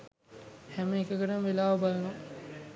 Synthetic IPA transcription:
hɛməekəkəʈəmʋelaːʋəbalna

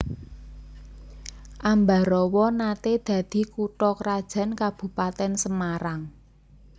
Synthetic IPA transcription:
ʔamba̤ɾɔwɔnat̪ed̪̥ä̤d̪̥i̤kuʈɔkəɾad̥ʒ̥a̤nkab̥ṳpat̪ɛnsəmaɾaŋ

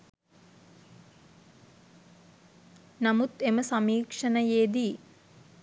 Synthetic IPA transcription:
nɐmut̪emɐsɐmiːkʂɐnɐjeːd̪i

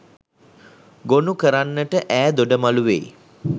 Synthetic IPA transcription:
ɡonukəɾanːəʈəʔæːd̪oɖəmaluʋḛj

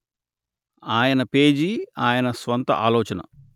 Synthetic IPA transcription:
aːjɐnɐpe̞ːd͡ʒiaːjɐnɐsʋɐnt̪ɐ̰ʔaːlɔːt͡ʃɐnɐ̰

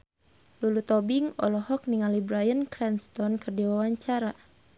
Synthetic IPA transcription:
lulut̪ɔbiŋɔ̰lɔhɔk̚niŋalibɾajənkɾɛnst̪ɔnkərdiwawaɲt͡ʃaɾa

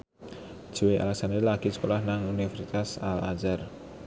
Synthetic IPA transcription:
ʒ̥uweʔa̰lɛksand̪elaɡ̥isə̥kolahnaŋunifɛɾsit̪asalazar

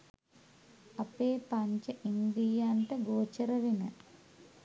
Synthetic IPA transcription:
ɐpeːpaɲt͡ɕɐʔind̪ijaːnʈɐɡoːt͡ɕɐɾɐʋinɨ

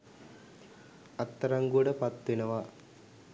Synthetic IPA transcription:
ɐt̪ːɐɾɐŋɡuɽɐpɐt̪ːinɐʋa

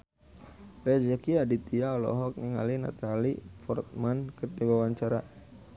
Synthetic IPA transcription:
ɾɛd͡ʒɛkiadit̪iaɔlɔ̰ɦɔk̚niŋa̰lina̰t̪alifɔrt̪̚mankɨrdiwawaɲt͡ʃaɾa

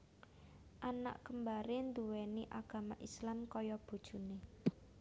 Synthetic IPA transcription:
ʔana̰ʔkəmbaɾend̪uwɛniʔaɡ̥a̤maʔislamkɔjɔb̥ṳd̥ʒ̥ṳne

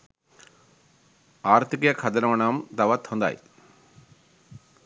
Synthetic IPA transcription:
aːɾt̪ʰikijɐkʰɐd̪ɐnɐɐɳaːmt̪ɐʋɐt̪hɔnd̪a̰ːj̰t̪

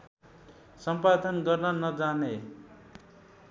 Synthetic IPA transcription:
sʌmpad̪ʌnɡʌrnʌnʌd͡zane

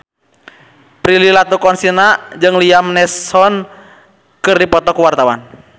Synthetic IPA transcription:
pɾililat̪ukɔnsinad͡ʒɨŋliamnɛsɔn | kɨrdipɔt̪ɔkuwart̪awan

